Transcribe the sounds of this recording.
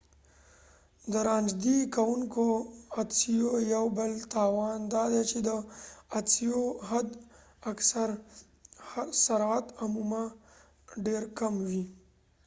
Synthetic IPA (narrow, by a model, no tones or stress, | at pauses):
d̪əɾɑnd͡ʒd̪ikawuŋkoasijojawbəlt̪ɑwɑnd̪ɑd̪et͡ʃed̪əasijoɦad̪ | aksaɾ | saɾat̪amuma | ɖeɾkamwi